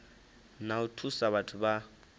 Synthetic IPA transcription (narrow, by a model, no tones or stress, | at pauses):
nautʰusaβatʰʊba